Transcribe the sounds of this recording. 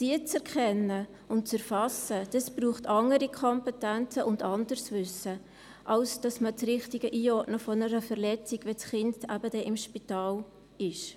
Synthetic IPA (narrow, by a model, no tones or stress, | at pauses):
d̥iət͡sɛɾkχɛnːə | ʊntt͡sɛɾfɑsəd̥ɑsb̥ɾuːχtɑŋəɾikʰɔmpɛtænt͡səʔʊndɑndəɾsvʏsə | ʔɑlsd̥ɑsmətɾɪχtɪɡəʔiːɔtnəfɔnəɾəfɛɾlɛt͡siɡ̥ʋɛsχɪndæbədɛʔɪmʃpitɑːl | ɪʃ